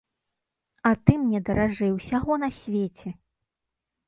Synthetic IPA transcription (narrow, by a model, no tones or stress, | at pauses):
ɐt̪ɨmnʲɛd̪ɐɾaʐɛjwsʲaɣɔn̪ɐsʲvʲet͡sʲɛ